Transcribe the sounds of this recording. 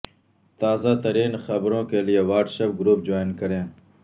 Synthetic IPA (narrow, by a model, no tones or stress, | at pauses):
t̪aːzat̪əɾiːnxɐbɾõːkelijewaːɾʈsɐp̚ɡɾuːp̚d͡ʒoːinkɐɾẽː